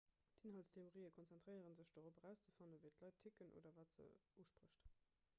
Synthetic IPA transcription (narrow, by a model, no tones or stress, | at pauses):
dinɦɑltstʰeoʁiːəkʰɔnt͡sɛntʁɜɪəʁənzəɕd̥oːʁobəʁæʊst͡sə̥fɑnəvəɪtlɑɪtʰikənʔo̰ːdɐvɑːtz̥ə̰uːʃpʁəɕt